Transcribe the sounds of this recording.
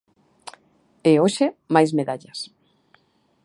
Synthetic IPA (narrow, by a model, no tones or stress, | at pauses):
eoʃemajsmeðaʎɐs